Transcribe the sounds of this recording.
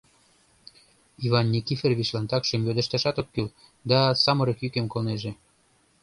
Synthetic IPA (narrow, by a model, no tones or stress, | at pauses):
ivɑnːikiferβiʃlɑnt̪ɑkʃəmjød̪ə̆ʃt̪ɑʃɑt̪okːyl | d̪ɑsɑməɾəkjykemkolneʒe